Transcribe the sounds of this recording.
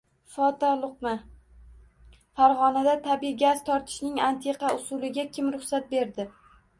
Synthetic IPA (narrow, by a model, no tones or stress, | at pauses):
fɒt̪alˠʊqma | faɾʁɒnad̪at̪ʰabijɡʲaz̥t̪ʰɒɾt̪ʰɪ̥ʃnɪŋant̪ʰe̞qɑʊsulɪɡʲakʲʰɪmɾʊχsat̪̚be̞ɾd̪ɪ